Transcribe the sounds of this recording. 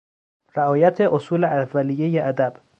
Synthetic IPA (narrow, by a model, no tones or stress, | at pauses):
ɾeɒːjæt̪ʰeʔosuːleʔævːælijːejeʔæd̪æb̥